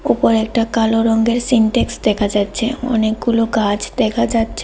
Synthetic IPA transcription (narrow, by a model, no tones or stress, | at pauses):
upoɾɛk̚ʈakaloɾɔŋɡeɾsiɳʈeksd̪ɛkʰad͡ʑatːɕʰeɔ̰nek̚ɡulokad͡ʑd̪ɛkʰad͡ʑatːɕʰe